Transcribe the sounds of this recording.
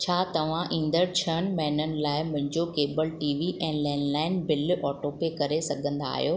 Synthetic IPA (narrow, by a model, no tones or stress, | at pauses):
t͡ɕʰaːt̪ɐʋ̤ãʔĩːn̆d̪əɾt͡ɕʰɐñmɛːnənɪ̆laːɪmʊ̃ɦɪ̃ɲd͡ʑokeːbəlʈiːʋiʔɛ̃ːlɛːnlaːɪnbɪlʔɔːʈoːpekɐɾesɐɡʱə̃nd̪a̰ːɦijoː